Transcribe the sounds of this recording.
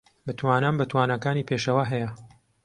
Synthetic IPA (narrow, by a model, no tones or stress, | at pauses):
bɨt̪ʰwaːnaːmbɨt̪ʰwaːnɐkaːniːpʰeːʃɐwaɦɛjɐ